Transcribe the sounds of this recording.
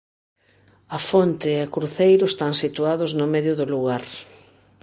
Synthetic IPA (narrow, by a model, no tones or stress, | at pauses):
ɐfont̪ɪːɐkɾuθejɾʊst̪aŋsit̪uaðʊznʊmɛðjʊðʊluɣaɾ